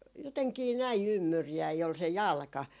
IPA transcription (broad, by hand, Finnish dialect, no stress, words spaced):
joteŋkiː næi ymːyrjæi ol se jɑlkɑ